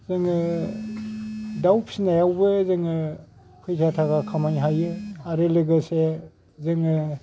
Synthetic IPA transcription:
zɯŋɯ | dawp̚snajawbɯzɯŋɯ | pʰɯjzʰatʰaɡakʰamajɦajɯaɾelɯɡɯse | zɯŋɯ

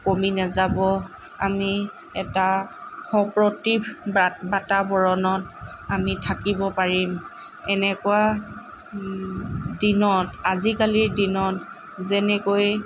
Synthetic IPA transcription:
kominazabɔ | ami | ɛtaxɔpɹɔtibbatabɔɹɔnɔt | amitʰakibɔpaɹim | ɛnɛkʊa | dinɔtazikaliɹdinɔt | zɛnɛkoj

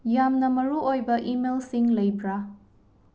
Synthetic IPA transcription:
jamnɐmɐɾuojbɐʔimelsiŋlɐjbɾa

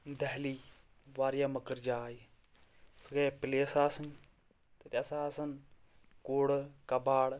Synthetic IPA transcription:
d̪ɐɦliː | ʋaːɾjaːmɐkəɾd͡ʒaːji | sɨɡeːpɪleːsaːsɐn | t̪ɐtʲɐsaːɐsɐn | koːɽkɐbaːɽ

